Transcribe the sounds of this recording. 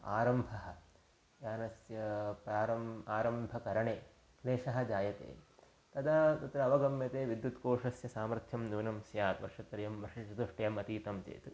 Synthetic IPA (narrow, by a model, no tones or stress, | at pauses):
a̰ːɾɐmbʱɐɦɐ̆ | jaːnɐsjɐpɾaːɾɐmaːɾɐmbʱɐkɐɾɐɳeː | leːʂɐɦɐ̆d͡ʒaːjɐt̪ḛː | t̪ɐd̪aːt̪ɐt̪ɾɐːʋɐɡɐmjɐt̪eːʋid̪jut̪koːʂɐsjɐsaːmɾɐt̪ʰjɐmnuːnɐmsjaːɾʋɐ̰ɾʂɐt̪ɾɐjɐmʋɐɾʂit͡ʃɐd̪uʂʈɐjɐmɐt̪iːt̪ɐmt͡ʃḛːt̪u